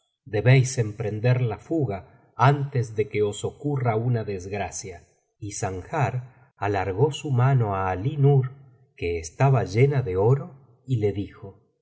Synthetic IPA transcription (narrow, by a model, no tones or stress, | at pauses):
d̪e̞βejse̞mpɾe̞nd̪eɾlafuɣa | ant̪ezðe̞keo̞so̞kuraunaðezɣɾasja | isaŋxaɾ | alaɾɣo̞sumano̞aːlinuɾ | keːst̪aβaʒe̞naðe̞o̞ɾo̞ | ile̞ðixo̞